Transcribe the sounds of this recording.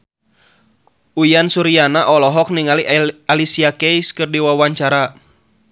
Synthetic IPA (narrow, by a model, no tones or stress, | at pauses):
ujansuɾianaʔɔlɔɦɔkniŋalialisiakɛjskɨrdiwawaɲt͡ʃaɾa